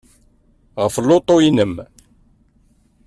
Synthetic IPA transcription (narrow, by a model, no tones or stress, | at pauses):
ʁəflːot̪ˤːoinəm